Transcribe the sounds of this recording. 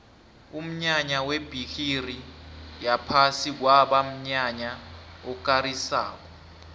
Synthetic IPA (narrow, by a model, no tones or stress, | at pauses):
um̩ɲaɲaweb̥ʱikʰirijapʰasik̬waɓam̩ɲaɲaɔk̬ʼaɾisa̰ːk̬ɔ